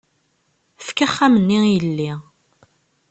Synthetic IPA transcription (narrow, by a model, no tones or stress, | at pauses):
fkaχːæmənːijəlːi